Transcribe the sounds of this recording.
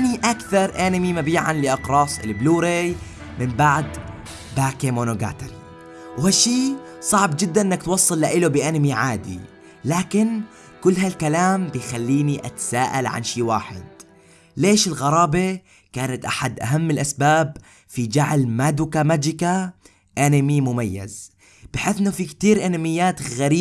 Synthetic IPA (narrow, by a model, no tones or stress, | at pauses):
ʔaniʔakθɑɾˤʔanɪmimabiːʕa̰nlɪʔɑqɾˤɑːsˤɪ̰lbluːɾej | mɪmbaʕd̪ | baːkemonoɡa̰ːt̪aɾi | whaʃːiːsˤɑʕbd͡ʒɪd̪ːanʔɪnːak̚t̪wɑsˤːɑlːaʔɪlobɪʔanɪmiʕaːd̪ḭ | laːkɪn | kʊlːɦalkalaːmbɪjxalːiːniʔa̰t̪saːʔalʕa̰nʃiːwaːħɪ̰d̪̚ | leːʃɪlɣɑɾˤɑːbe | kaːnat̪ʔaħad̪ʔa̰ɦamːɪlʔasbaːb | fid͡ʒaʕlmaːd̪ukamad͡ʒɪka | ʔanɪmimʊmajːa̰z | bɪħeːθʔɪnːofikt̪iːɾʔanamɪjːaːt̪ɣaɾiː